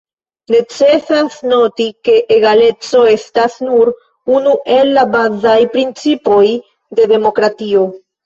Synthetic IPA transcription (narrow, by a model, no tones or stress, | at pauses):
ne̞t͡se̞sasno̞tike̞ʔeɡale̞t͡so̞e̞stasnuɾ | unuʔe̞lːabazajpɾint͡sipo̞j | de̞de̞mo̞kɾatio̞